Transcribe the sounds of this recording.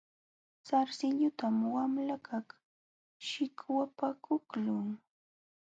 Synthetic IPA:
saɾsɪʎʊt̪amwamlakʰaχ | ʃɪkwapakʊklʊŋ

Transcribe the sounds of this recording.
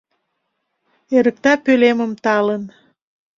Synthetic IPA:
eɾə̆k̚t̪ɑpøleməmt̪ɑlən

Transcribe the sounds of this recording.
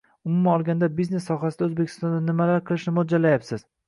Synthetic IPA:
ʊmʊmaɒlˠɡʲand̪abizne̞sːɒɦasɪd̪aɵzbekʲʰɪ̥st̪ɒnd̪anɪmalaɾqʰɨlˠɪʃnɪmʊd͡ʒalːajapsɪz̥

